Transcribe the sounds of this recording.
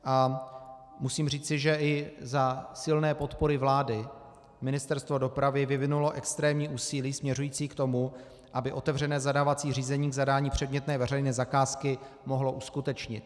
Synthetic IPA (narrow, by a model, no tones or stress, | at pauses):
ʔa | musiːmriːt͡sɪʒɛʔɪzasɪlnɛːpo̞t̪po̞ɾɪvlaːdɪ | mɪnɪst̪ɛɾst̪vo̞do̞pɾavɪvɪvɪnulo̞ʔɛkst̪ɾɛːmɲiːʔuːsiːliːsmɲɛrujiːt͡siːkt̪o̞mu | ʔabɪʔo̞t̪ɛvrɛnɛːzadaːvat͡siːriːzɛɲiːɡzadaːɲiːpr̝̥ɛd̚mɲɛt̪nɛːvɛrɛjnɛːzakaːskɪ | mo̞ɦlo̞ʔuskut̪ɛt͡ʃɲɪ̰t̪̚